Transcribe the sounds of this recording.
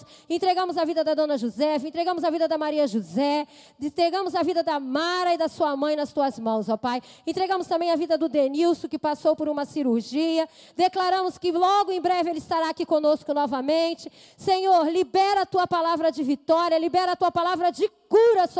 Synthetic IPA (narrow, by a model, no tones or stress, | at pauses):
ẽnt̪ɾeɡɐ̃mʊzɐvid̪ɐd̪ɐd̪õnɐʒuzɛfɪẽt̪ɾeɡɐ̃mʊzɐvid̪ɐd̪ɐmaɾiɐʒuzɛ | et̪ɾeɡɐ̃mʊzɐvid̪ɐd̪ɐmaɾɐɪd̪ɐsuɐmɐ̃j̃nɐst̪uɐzmɐ̃w̃sɔpajẽnt̪ɾeɡɐ̃mʊst̪ɐ̃mbẽj̃ɐvid̪ɐd̪ʊd̪eniwsʊkɪpasowpoɾũmɐsiɾuɾʒiɐ | d̪eklaɾɐ̃mʊskɪlɔɡʊẽj̃bɾɛvɪelɪst̪aɾaakikõnoskʊnɔvɐmẽnt͡ʃɪ | sẽɲoɾlibɛɾɐat̪uɐpalavɾɐd͡ʒɪvit̪ɔɾiɐlibɛɾɐaːt̪uɐpalavɾɐd͡ʒɪkuɾɐs